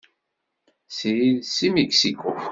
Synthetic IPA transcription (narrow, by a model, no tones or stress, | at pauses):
sjiðsimiksiku